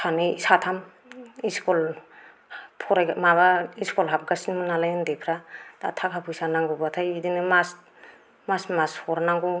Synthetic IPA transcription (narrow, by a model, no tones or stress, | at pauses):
tʰanɯsatʰam | iskɔl | pʰɔɾajmaβaiskɔlɦap̚ɡasinmɯnalajɯndepʰɾata̰tʰakʰapʰujsanaŋɡubatʰajidinɯmas | masmashɔɾanaŋɡu